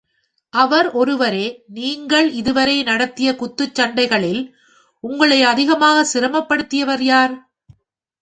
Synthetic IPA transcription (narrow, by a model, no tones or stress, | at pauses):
ʔɐʋɐɾɔɾɯʋɐɾeːniːŋɡɐɭɪðɯʋɐɾɐɪnɐɽɐt̪ːɪjɐkʊt̪ːɯt͡ʃːɐɳɖɐɪɣɐɭɪl | ʊŋɡɐɭɐɪɐðɪɣɐmaːɣɐsɪɾɐmɐpːɐɽɯt̪ːɪjɐʋɐɾjaːɾ